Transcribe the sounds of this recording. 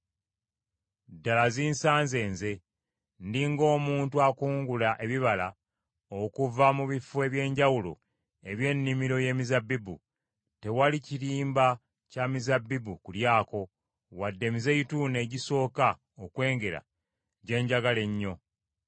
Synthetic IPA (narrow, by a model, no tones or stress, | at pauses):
dalaziːnsaːnze̞ːnze̞ | ndiŋɡo̞ːmuːntuakuːŋɡulaʔe̞βiβala | okuvamuβifwe̞βje̞ːɲɟawulo̰ | e̞βje̞nːimiɾo̞je̞ːmizabibṵ | te̞waliciɾiːmba | camizabːibukuljaːko̞ | wadːe̞mize̞ituːne̞ːɟiso̞ːka | okwe̞ːŋɡe̞ɾa̰ | ɟe̞ːɲɟaɡale̞ɲːo̞